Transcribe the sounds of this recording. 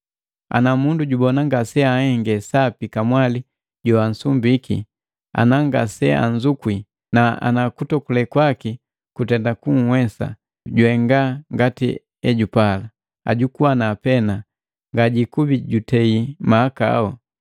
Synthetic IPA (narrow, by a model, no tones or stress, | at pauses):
a̰namunduɟubɔnaŋɡasɛahɛŋɡɛsapikamwali | ɟɔan̩sumbikʰḭ | a̰naŋɡasɛa̰ɲzukwi | naa̰nakutɔkulɛkwaki | kutɛndakuŋ̩hwɛsa̰ | ɟwɛŋɡaŋɡati | ɛɟupala | a̰ɟukuwanaːpɛna | ŋɡaɟikubiɟutɛimaːkaa̰hɔ